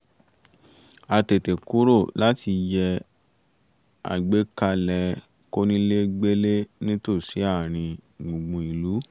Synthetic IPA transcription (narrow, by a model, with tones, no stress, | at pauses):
a˧te˨te˨ku˦ɾo˦˨la˦ti˧jɛ˧ | a̰˨ɡ͡be˨˦ka˧lɛ˧ | ko˦nĩ˦le˦ɡ͡be˦le˦nĩ˦to˦˨si˨˦a˦˨ɾ̃ĩ˧ɡ͡bũ˨ɡ͡bũ˨i˨lu˨˦